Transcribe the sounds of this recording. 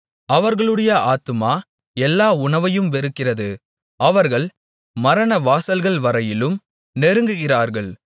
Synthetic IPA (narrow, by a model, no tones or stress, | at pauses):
ɐʋɐɾɣɐɭɯɽɐjɐʔaːt̪ɯmaː | ɛlːaːʊɳɐʋɐjɯmʋɛɾɯkːɪrɐðɯ | ʔɐʋɐɾɣɐɭ | mɐɾɐnɐʋaːsɐlɣɐɭʋɐɾɐjɪlɯm | nɛɾɯŋɡɯɣɪraːɾɣɐɭ